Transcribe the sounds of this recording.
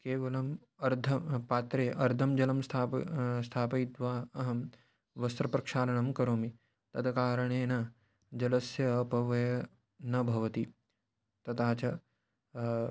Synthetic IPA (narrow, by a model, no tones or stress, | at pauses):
keːʋɐlɐm | ɐɾd̪ʱɐpaːt̪ɾeːʔɐɾd̪ʱɐmd͡ʒɐlɐmst̪ʰaːst̪ʰaːpɐit̪ʋaːɐɦɐm | ʋɐst̪ɾɐpɾɐkʂaːɾɐɳɐmkɐɾoːmi | t̪ɐt̪ʰɐkaːɾɐɳeːna | d͡ʒɐlɐsjɐːpɐʋɐjɐ | nɐbʱɐʋɐt̪i | t̪ɐt̪aːt͡ʃɐ